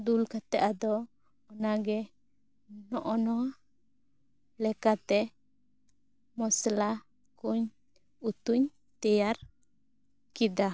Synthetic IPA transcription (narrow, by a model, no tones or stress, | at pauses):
d̪ulkat̪ɛʔad̪ɔː | naɡɛ | nɔʔɔnɔa | lɛkat̪ɛ | mɔsla | kuɲ | ut̪uɲ | t̪ɛjaɾ | kid̪a